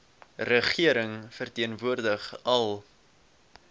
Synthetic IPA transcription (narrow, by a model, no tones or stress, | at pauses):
rəχiəɾəŋfərtiənvuərdəχɐlˠ